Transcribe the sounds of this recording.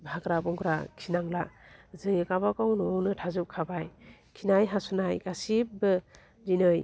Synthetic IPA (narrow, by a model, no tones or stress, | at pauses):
bʱakɾabɔŋɡɾakʰinaŋlazɯŋikabakawnɔwnɯtʰazup̚kʰabajkʰinajɦasunajɡasip̚bɯ | ɾinɯj